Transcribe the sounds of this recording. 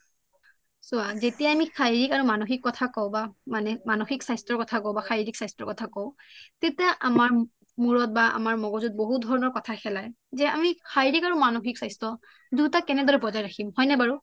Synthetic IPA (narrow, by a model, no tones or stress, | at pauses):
sʊazetijaːmixʰajɹikaɹumanoxikːɔtʰakɔʊbamanɛmanoxiksajstɹɔɹkɔtʰakɔwbaxʰajɹiksajstɹɔɹkɔtʰakõtetijaʔamaɹ | muɹɔt̚baa̰maɹmɔɡɔzut̚boɦut̚dʱɔɹɔnɔɹkɔtʰaxɛlaj | zɛa̰mixʰajɹikaɹumanoxiksajstɹɔ | dutakɛnɛdɔɹɛpɔzajɹakʰimhɔjnɛbaɹu